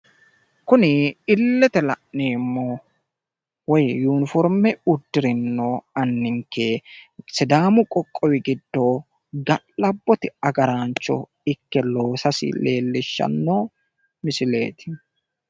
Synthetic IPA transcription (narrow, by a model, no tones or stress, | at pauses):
kʊnɪɪlːɛt̪ɛlɐʔneːmːo | wɔjjuːnɪfɔɾmɛʊd̪ːɪɾɪnːoːɐnːɪŋkːesɪd̪aːmʊkʼɔkʼːɔwɪɡɪd̪ːoː | ɡɐʔɐbːɔt̪ɪɐɡɐɾaːnt͡ʃːɔ̰ | ɪkːɛlo̞ːsɐsɪ̰le̞ːlːɪʃːɐ̰nːoː | mɪsɪle̞ːt̪ɪ̥